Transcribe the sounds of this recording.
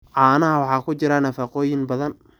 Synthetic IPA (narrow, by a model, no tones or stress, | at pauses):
ʕɑːnɐɦɐwɑħɑːkʰʊt͡ʃɪɾɐnɐfɑqɔːjɪnbɐðɐn